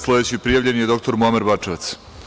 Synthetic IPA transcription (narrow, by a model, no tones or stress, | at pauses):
slˠod̪et͡ɕipɾijaʋʎe̞nijed̪o̞kt̪o̞ɾmuameɾbat͡ʂeʋat̪s